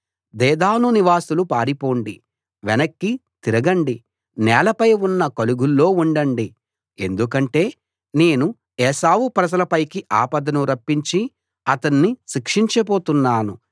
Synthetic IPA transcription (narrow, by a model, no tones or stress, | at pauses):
d̪ɛːd̪aːnuniʋaːsulupaːɾipo̞ːɳɖi | ʋɛnɐkːit̪iɾɐɡɐɳɖi | nɛːlɐpɐjunːɐkɐluɡulːo̞ːuɳɖɐɳɖi | ḛnd̪ukɐɳʈe̞ː | ne̞ːnu | ɛːsaːwupɾɐd͡ʒɐlɐpɐjkiʔaːpɐd̪ɐnuɾɐpːiɲt͡ʃi | ɐt̪ɐnːiʃikʂiɲt͡ʃɐpo̞ːt̪unːaːnu